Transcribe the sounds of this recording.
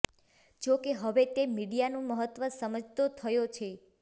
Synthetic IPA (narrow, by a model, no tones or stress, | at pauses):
d͡ʒokeɦəʋet̪emiɽijanũməɦət̪ʋəsəməd͡ʒt̪ot̪ʰəjot͡ʃʰe